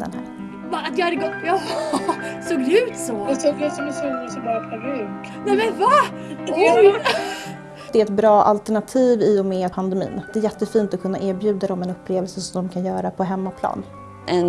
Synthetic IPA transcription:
d̪ɛ̰nɦæ̰ːɾ | vaat̪jɑhad̪ːəɡɔjɑ | soːɡʉ̟ːt̪sɔt̪ɛfasɔnəsʉnsɔlɑːʈaɾʉ | nɛmɛnvad̪ | d̪ɛæɾɛt̪̚bɾɑːʔa̰lt̪ɛɳat̪ʰiːviɔmɛpʰand̪ɛmḭːnd̪̥ɛæɾjɛt̪ːəfiːnt̪ɔkʰɵnːaʔeːɾbjʉ̟ːd̪aɾɔmɛnɵpːleːvɛlsəsɔmd̪ɔmkʰanjœːɾapʰɔɦɛmːapʰlɑ̰ːn | ʔɛn

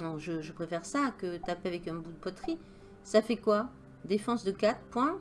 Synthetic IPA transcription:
ɔ̃ʒəʒəpχefɛʁsakət̪apavɛkɛ̃bud̪əpɔt̪χi | safɛkwa | d̪efɑ̃sd̪əkat̪χpwɛ̃

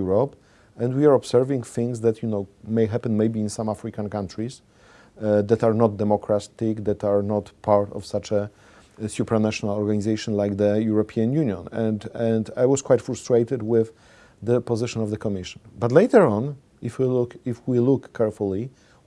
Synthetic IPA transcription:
uɹɔp | ɛ̃ndwiaɹɔbsɛɹvĩŋθɪ̃ŋsðæt̪junoʊmejɦæpɛ̃nmejbĩːnsãmafɹikãnkãntʰɹis | ðɛt̪aɹnɔt̚d̪ɛmɔkɹat̪ɪkd̪ɛt̪aɹnɔtpʰaɹtɔ̰fsat͡ʃɛ | sjupɹanaʃɔnalɔɹɡanizejʃɔ̃nlajkðəjuɹɔpʰiãnjunjɔ̰̃nɛ̃ndɛ̃ndajwɔskwajtfɹustɹeɪt̪ɨdwɪð | ðəpɔzɪʃɔ̃nɔvðəkʰɔmɪʃɔ̥̃nbatlejt̪əɹɔ̃n | ɪfwilʊifwilʊkʰːɛɹful̩ˠi

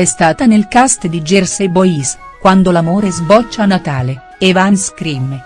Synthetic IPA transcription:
ɛst̪aːt̪anelkast̪d̪id͡ʒersebois | kwand̪olamoːɾezbɔt͡ʃːaːnːat̪aːle | evanskɾime

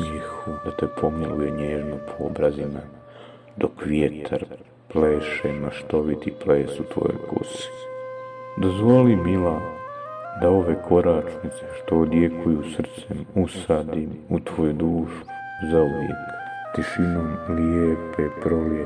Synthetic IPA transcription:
ɲixud̪at̪e̞pʰo̞miluje̞ɲeːʒnopʰoobɾazima | d̪o̞kʋjet̪ʰaɾ | pleːʃemaʃt̪o̞ʋit̪ipleːsut̪ʋo̞̰jo̰kṵsi̥ | d̪ozʋo̞limila | d̪ao̞ʋekʰo̞ɾat͡ʃnit̪seʃt̪o̞ːd̪je̞kʰujusr̩t̪semusaːd̪imut̪ʋoːjud̪uːʃu | zauʋjḛkt̪iʃinomljepʰepɾoje

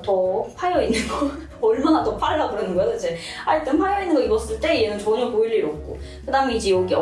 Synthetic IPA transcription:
tʌpʰajʌinːɯnɡʌ | ʌɭmanatʌpʰaɾːabuɾʌnɯnŋɡʌjoid͡ʑe̞ | aɭt͈ɯmpʰaɭjainːɯnɡʌibʌs͈ɯɭt͈e̞ienɯnt͡ɕʌɲʌpoiɭːiɾok̚k͈o̰ | kɯdaːɯmeid͡ʑejoɡʌ

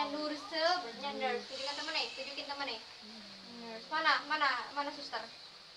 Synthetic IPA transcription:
anursəbd͡ʒandərst̪id͡ʒukant̪əmənejt̪ud͡ʒukɪnt̪əmənej | smanamanamanasust̪ər

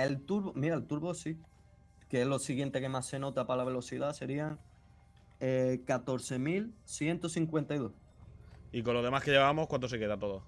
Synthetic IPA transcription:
e̞lt̪uɾβomiɾaelt̪uɾβosi | keelo̞siɣje̞nt̪e̞ke̞mase̞no̞t̪apalaβe̞lo̞θiðase̞ɾiaŋ | ekat̪o̞ɾθe̞milθje̞nt̪oθiŋkwe̞nt̪ajðoh | ikonloðe̞mahkeʝeβamo̞hkwant̪ose̞keðat̪oðo

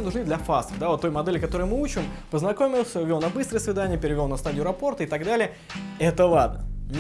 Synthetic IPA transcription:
ənʊʐnɨd̪lʲɐfast̪əd̪avot̪ːo̞jmɐd̪ɛlʲɪkɐt̪o̞ɾəʊjmɨut͡ɕɪmpəznɐko̞mʲɪlˠsʲəvʲo̞lˠnɐbɨst̪ɾəjəsvʲɪd̪anʲɪjəpʲɪɾʲɪvʲo̞lnɐst̪adʲɪʊɾɐpo̞rt̪ɨɪt̪ɐɡd̪alʲɪjə | ɛt̪əlˠad̪̚nənʲ

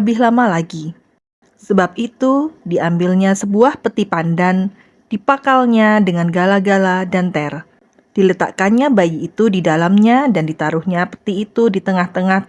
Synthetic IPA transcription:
bɪɦlamalaɡi | səbap̚it̪udiambɪlɲasəbuahpət̪ipandan | d̥ipakalɲadəŋanɡalaɡaladant̪ɛr | d̥ilət̪a̰ʔkanɲabajiːt̪udidalamɲadandit̪aɾuhɲapə̥t̪iːt̪udit̪əŋaht̪əŋah

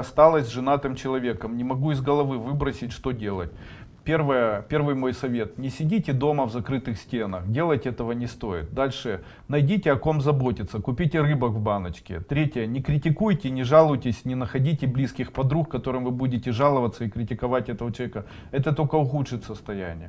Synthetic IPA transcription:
ɐst̪alˠəsʲʐɨnat̪ɨmt͡ɕɪlˠɐvʲe̞kəmnʲɪmɐɡuɪzɡəlˠɐvɨvɨbɾəsʲɪtʲʂt̪o̞dʲe̞lˠə̰tʲ | pʲervəjəpʲe̞rvɨjmo̞jsɐvʲe̞t̪nʲɪsʲɪdʲitʲɪd̪o̞məvzɐkɾɨt̪ɨxsʲtʲe̞nəxdʲe̞lˠəjtʲɛt̪əvənʲɪst̪o̞jɪ̰t̪̚d̪alʲʂɨ | nɐjdʲitʲɪɐko̞mzɐbo̞tʲɪt̪səkʊpʲitʲɪɾɨbəkvbanət͡ɕkʲɪ̰t̪ɾʲetʲɪjənʲɪkɾʲɪtʲɪkujtʲɪnʲɪʐalˠʊjtʲɪsʲnʲɪnəxɐdʲitʲɪblʲiskʲɪxpɐd̪ɾukːɐt̪o̞ɾɨmvɨbudʲɪtʲɪʐalˠəvət̪sːəɪkɾʲɪtʲɪkɐvatʲɛt̪əʋət͡ɕɪlˠvekə | ɛt̪ət̪olʲkəʊxutʂɨt̪ʲsəst̪ɐjæ̰nʲɪ̰jə

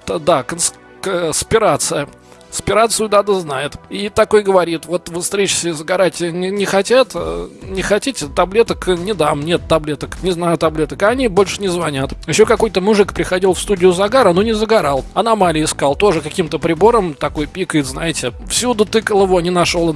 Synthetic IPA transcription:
t̪d̪akəns | kəspʲɪɾat̪sɨjə | spʲɪɾat̪sɨjʊd̪ad̪əznajɪt̪it̪ɐko̞jɡəvɐɾʲit̪vo̞t̪vɨst̪ɾʲet͡ɕsʲɪzəɡɐɾatʲnʲɪnʲɪxɐtʲat̪nʲɪxɐtʲitʲɪt̪ɐblʲe̞t̪əknʲɪd̪amnʲet̪ːɐblʲet̪əknʲɪznajʊt̪ɐblʲe̞t̪əkɐnʲibolʲʂɨ̥nʲɪzvɐnʲat̪jɪɕːokɐko̞jt̪əmʊʐɨkpɾʲɪxɐdʲilˠfst̪udʲɪjʊzɐɡaɾəno̞nʲɪzəɡɐɾalˠɐnɐmalʲɪɪskalˠt̪o̞ʐɨkɐkʲimt̪əpɾʲɪbo̞ɾəmt̪ɐko̞jpʲikəjɪt̪znajɪtʲɪfsʲud̪ʊt̪ɨkəlˠəvonʲɪnɐʂo̞lˠ

